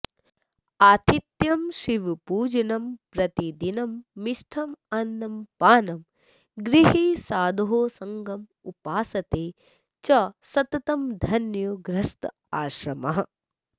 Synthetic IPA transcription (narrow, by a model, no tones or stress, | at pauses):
aːt̪ʰit̪jɐmʃiʋpuːd͡ʒɐnɐmpɾɐt̪id̪inɐmːiʂʈʰɐmɐnːɐmpaːnɐm | ɡɾiɦiːsaːd̪ʱɐɦoːsɐŋɡɐm | upaːsɐt̪eː | t͡ʃɐsɐt̪ɐt̪ɐmd̪ʱɐnjuɡɾɐst̪ɐ | aːʃɾɐmɐɦɐ